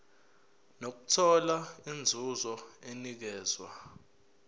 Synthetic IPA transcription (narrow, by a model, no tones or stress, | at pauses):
nok̬u̥tʰɔlaind͡zʱuzɔenik̬ɛːzwa̰